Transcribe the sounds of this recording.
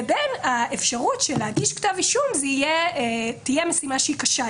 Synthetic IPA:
benaefʃaʁutʃeleaɡiʃktaviʃumzeijetijemesimaʃeikaʃa

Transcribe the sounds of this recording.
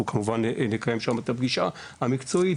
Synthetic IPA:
ukʰamuvannekajemʃamet̪abɡiʃa | hamikt͡so̞i

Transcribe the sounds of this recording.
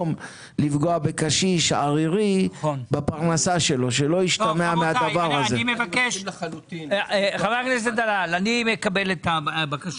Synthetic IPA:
m | lifɡoabekaʃiʃaʁiʁibapaʁnasaʃe̞lo̞ʃelo̞iʃt̪ameamead̪avaʁazeimevakeʃlut̪χaveaknes̬ed̪alalanimekabelet̪abakaʃ

